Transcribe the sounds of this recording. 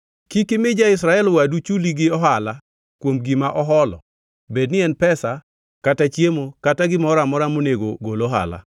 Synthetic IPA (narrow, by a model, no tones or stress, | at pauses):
kikɪmɪd͡ʒaɪsɾaɛlwadut͡ʃuliɡɪɔɦala | kwomɡimaʔɔɦɔlɔ̰ | bed̚nɪɛnpɛsa | katat͡ʃjemokataɡɪmɔɾamɔɾamoneɡoɡoloɦa̰la̰